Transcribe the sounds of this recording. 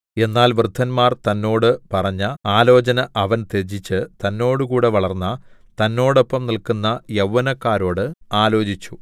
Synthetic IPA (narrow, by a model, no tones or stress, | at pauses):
e̞nːaːlʋrɨd̪ʱːɐnmaːrt̪ɐnːo̞ːɽɨpɐrɐɲːɐaːlo̞ːt͡ɕɐnɐʔɐʋɐnt̪e̞d͡ʑit͡ɕːɨt̪ɐnːo̞ːɽɨkuːɽe̞ʋɐɭɐrnːɐt̪ɐnːo̞ːɽo̞pːɐmnilkunːɐjɐwːɐnɐkːaːɾo̞ːɽɨaːlo̞ːd͡ʑit͡ɕːu